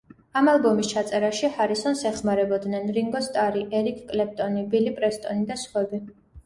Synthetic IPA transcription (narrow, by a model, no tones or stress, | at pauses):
amalˠbɔmist͡ʃʰat̪sʼɛɾaʃihaɾisɔnsɛχmaɾɛbɔd̪nɛnɾiŋɡɔst̪ʼaɾiʔɛɾikʰkʼlɛp̚t̪ʼɔnibilipʼɾɛst̪ʼɔnid̪asχwɛbi